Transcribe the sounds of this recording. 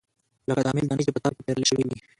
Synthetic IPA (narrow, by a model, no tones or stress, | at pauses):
ləkad̪əːmɪld̪ɑnit͡ʃepət̪ɑɾkep̪eɾəleʃəwiwi